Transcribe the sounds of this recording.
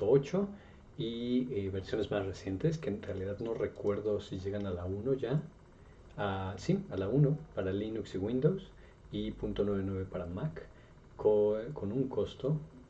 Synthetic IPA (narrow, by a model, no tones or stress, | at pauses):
oot͡ʃo̞ | ieβe̞ɾsjo̞ne̞zmasre̞sje̞nt̪eske̞ːnrealiðaðno̞re̞kwe̞ɾðo̞siʝe̞ɣanalauno̞ʝa | asialauno̞paɾalinuksiɣwĩnd̪ows | ipunt̪o̞nweβenwe̞β̞e̞paɾamakː | oko̞nuŋko̞st̪o̞